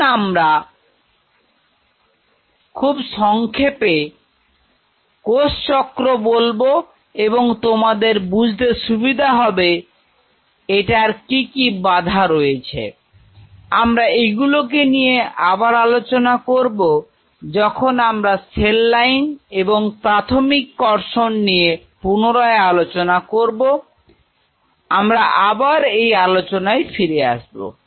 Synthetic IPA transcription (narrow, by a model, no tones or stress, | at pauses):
amɾa | kʰubʃɔŋkʰepe | kost͡ɕɔkɾobolbo | eboŋt̪omad̪eɾbud͡ʑʱd̪eʃubid̪ʱaɦɔbe | eʈaɾkikibad̪ʱaɾojet͡ɕʰḛ | amɾaeɡulok̬enijeabaɾalot͡ɕonakoɾbo | d͡ʑɔkʰonamɾaselːajneboŋpɾat̪ʰomikːɔɾʃonːije | punoɾɔealot͡ɕonakoɾbo | amɾaʔabaɾejalot͡ɕonajfiɾea̰ʃbo̰